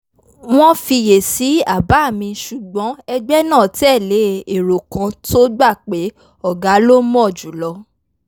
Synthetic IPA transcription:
w̃ɔ̃˦fi˧je˨si˨˦a˦˨ba˨˦˨mĩ˧ʃu˨ɡ͡bɔ̃˨˦ɛ˧ɡ͡bɛ˦nãː˦˨ti˦ɛ˦˨le˨˦e˨ɾo˨kã˧to˦ɡ͡ba˦˨k͡pe˨˦ | ɔ˨ɡa˨˦lo˦mɔ̃˦˨d͡ʒu˨˦lɔ˧

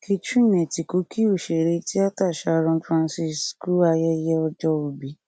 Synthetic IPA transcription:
ki˧t͡ʃũ˦nẽ˨ti˨ko˨˦kʰi˦o˦˨ʃe˨ɾe˧˦ti˦a˦ta˦˨ʃa˨˧˨ɾɔ̃˧fɾã˧nsi˧sku˦a˧jɛ˦jɛ˦ɔ˧d͡ʒɔ˧o˨bi˨˦

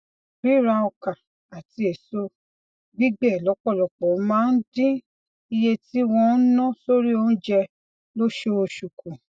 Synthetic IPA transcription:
bi˨˦˨ɾa˧ɔ˧ka˨ | a˨ti˧e˨so˧ | ɡ͡bi˦ɡ͡bɛ˦˨lɔ˨˦k͡pɔ˦˨lɔ˨k͡pɔ˨˦mãː˦n̩˦dĩ˦ | i˧je˧ti˦wɔ̃˧n̩˦nɔ̃˦so˦ɾi˦o˧˦˧ñ̩˦d͡ʒɛ˧ | lo˦ʃo˧o˧ʃu˨kʰũ˨

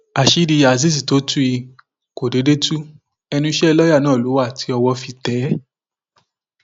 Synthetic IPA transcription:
a˨ʃi˨˦ɾi˧a˨z̬i˦s̬i˨to˨˦tu˦i˧ | ko˨de˨˦de˦tu˦ | ɛ˧nũ˧i˦ʃɛ˦˧lɔ˦ja˦˨nãː˦˨lo˨˦wa˦˨tʰi˨˧ɔ˧wɔ˧fi˧tɛ˨˦

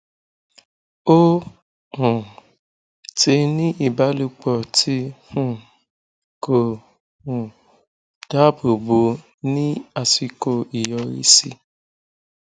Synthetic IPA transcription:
o˦ | hũ˨ | te˧nĩ˦ʔi˦˨ba˨˦lu˧k͡pɔ˨tʰi˦hũ˦˨ | ko˨ | hũ˨ | d̥a˦bo˨bo˧˦ | nĩ˦a˧si˧ko˧i˨jɔ˧ɾḭ˧˦sḭ˧

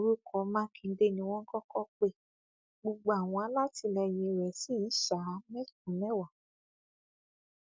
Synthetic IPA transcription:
ɾu˦kʰɔ˨˦mã˦kʰĩ˧˦de˦˨nĩ˧w̃ɔ̃˦ŋ̩˦kɔ˦kɔ˦k͡pe˧ | ɡ͡bo˧ɡ͡bo˧a˨w̃ɔ̃˧a˨˦la˦ti˧˦lɛ˧jĩ˧ɾɛ˨si˦˨˦ʃa˨˦mɛ̃˦t̚ũ˨˦mɛ̃˦wa˨

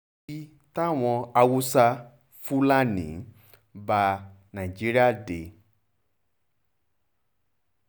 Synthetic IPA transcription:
i˦ | ta˦w̃ɔ̃˨a˨wu˦sa˦ | fu˦la˦nḭ̃˨ | ba˨ | nã˨i˨d͡ʒi˦ɾi˦a˦de˨

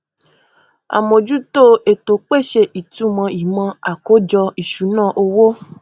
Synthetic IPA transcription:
a̰˨mõ˨d͡ʒu˦to˦e˨to˨k͡pe˦˨ʃe˧ʔi˨tu˨˦mã˧i˨mã˧a˨ko˨˦d͡ʒɔ˧i˨ʃu˨˦nãː˦˨ʔo˧wo˦

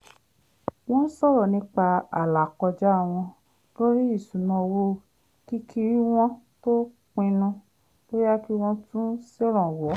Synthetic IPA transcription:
w̃ɔ̃˦n̩˦sɔ˦˨ɾɔ˨nĩ˧˦k͡pa˧a̰˨la˨kɔ˧d͡ʒa˦a˦˨w̃ɔ̃˧ | lo˦ɾi˦i˦˨su˨nã˧wo˦˨ | ki˦kʰi˧ɾi˦w̃ɔ̃˦ | to˦ | k͡pĩ˧nũ˧ | lo˦ɾi˦a˦ki˦w̃ɔ̃˦tũ˦se˦ɾɔ̃˨wɔ˨˦

